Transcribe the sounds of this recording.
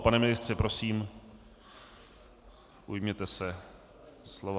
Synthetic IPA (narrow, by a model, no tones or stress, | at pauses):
panɛmɪnɪst̪r̥ɛpɾʔo̞siːm | ʔujmɲɛt̪ɛsɛ | slov